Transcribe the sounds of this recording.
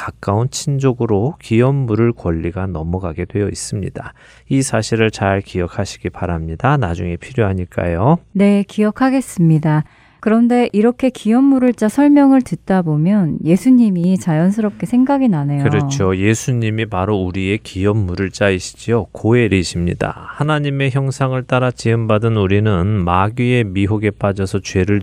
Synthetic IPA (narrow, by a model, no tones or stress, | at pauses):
kak͈aunt͡ɕʰind͡ʑoɡɯɾokijʌmːuɾɯɭkwʌʎːiɡanʌmʌɡaɡe̞dwe̞jʌis͈ɯmɲḭda | isʰaɕʰiɾɯɭt͡ɕaɭkijʌkʰaɕʰi̥ɡipaɾamɲidanad͡ʑuŋe̞pʰiɾjoɦaɲik͈a̰jone̞kijʌkʰaɡe̞s͈ɯmɲida | kɯɾʌnde̞ʔiɾʌkʰe̞kijʌmːuɾɯɭt͡ɕ͈asʰʌɭmjʌŋɯɭtɯt̚t͈abomjʌnje̞sʰuɲimit͡ɕajʌns̬ʰɯɾʌp̚k͈e̞sʰeŋɡaɡinane̞jkoɯɾʌt͡ɕʰoje̞sʰuɲimipaɾouɾie̞kijʌmːuɾɯɭt͡ɕ͈aiɕʰi̥d͡ʑiokoe̞ɾiɕʰimɲḭda̰hanaɲime̞çjʌŋsʰaŋɯɭt͈aɾat͡ɕiɯmbadɯnuɾinɯnmaɡie̞miɦoɡe̞p͈ad͡ʑʌsʰʌt͡ɕwe̞ɾɯɭ